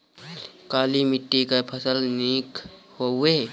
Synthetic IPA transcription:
kaːlimɪʈːikapʰəsəlniːk | hoe

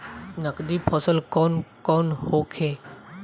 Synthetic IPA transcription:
nəkd̪ipʰɔsəlkɔnkɔnhokʰe

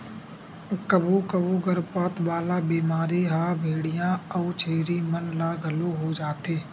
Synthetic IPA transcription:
kəbʱuːkəbuːɡəɾpaːt̪ʋaːlaːbiːmaːɾiɦaːbʱeːɽɪjãːəut͡ʃʰeːɾimənlaːɡʱəloɦod͡ʒaːt̪eː

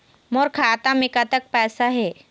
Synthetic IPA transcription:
moːɾkʰaːt̪amɪkat̪ək̚pɛːsaɦɛː

